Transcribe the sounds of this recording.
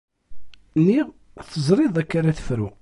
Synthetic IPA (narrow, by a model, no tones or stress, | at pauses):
nːiʁ | θəzˤɾˤɪðˤækːaɾæθə̥fɾu